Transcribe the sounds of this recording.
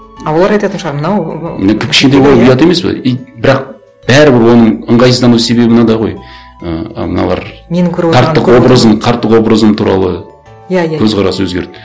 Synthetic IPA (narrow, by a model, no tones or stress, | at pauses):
ɑwolˠɑɾɑjt̪ɑt̪ənʃʁɑɾmənɑw̪kʲɪpkʰʲɪ̥ʃʲed̪ejbo̞lˠəpijɑt̪e̞me̞spḛejbɪɾɑq̚ | b̥æɾɪbɪɾwo̞nəɴəɴʁɑjsəzd̪ɑnuse̞βe̞bɪnɑd̪ɑʁo̞̰j | əmənɑ̰lˠɑ̰ɾmenɪŋkʲʰɵɾʰɑɾt̪ːəqwo̞bɾəzəmqʰɑɾt̪ːəqwo̞bɾəzəmt̪ʰuɾɑ̰lˠə | jakʰɵzqʰɑɾɑsəwɵzɡʲe̞̰ɾd̪̥